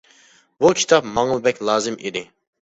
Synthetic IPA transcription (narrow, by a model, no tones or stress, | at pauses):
bukʲʰi̥t̪ʰɑpmɑŋlˠɨbɛkʲlˠɑːzɨmʔid̪ɪ